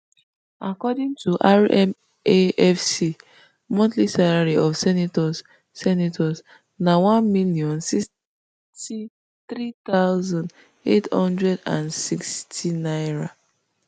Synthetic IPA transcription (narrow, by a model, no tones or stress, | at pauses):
akɔdĩŋtʰuʔaɹɛm | eɛfsi | mɔ̃ntlisalaɹiʔɔfsɛnitɔs | sɛnitʰɔs | nawãnmiliɔ̃nsis | ti | θɹit̪aʊzɔ̃nd | ethɔ̃ndɹɛdã̰nsikstʰinaɪɹa